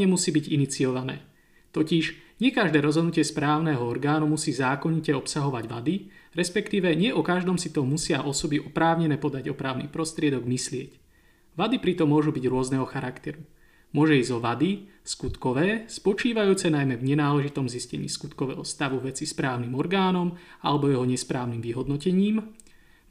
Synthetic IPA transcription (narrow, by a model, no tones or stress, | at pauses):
ɛmusiːbiɟinit͡siɔʋanɛ̰ː | t̪ɔciʒɲɪɛkaʒd̪ɛːɾɔzɦɔd̪nucɪɛspɾaːʊnɛɦɔɔɾɡaːnumusiːzaːkɔɲicɛɔpsaɦɔʋaɟʋad̪iɾɛspɛkt̪iːʋɛɲɪɛʔɔkaʒd̪ɔmsit̪ɔmusɪaʔɔsɔbiʔɔpɾaːʊɲɛnɛːpɔd̪aɟɔpɾaːʊnḭːpɾɔst̪ɾɪɛd̪ɔɡmislɪɛc | ʋad̪ipɾit̪ɔmːʊɔʒubiɟɾʊɔznɛɦɔxaɾakt̪ɛɾu | mʊɔʒɛiːzɔʋad̪i | skut̪kɔʋɛːspɔt͡ʃiːʋajuːt͡sɛnajmɛvɲɛnaːlɛʒit̪ɔmziscɛ̰ɲḭːskut̪kɔʋɛ̰ːɦɔst̪aʋuʋɛt͡sispɾaːʊnimɔɾɡaːnɔma̰lɛbɔjɛɦɔɲɛspɾaːʊnimʋiɦɔd̪nɔcɛɲiːm